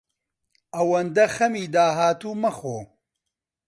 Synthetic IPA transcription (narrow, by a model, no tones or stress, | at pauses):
ɐwɐnd̪ɐxɐmiːd̪aːɦaːt̪uːmɐxoː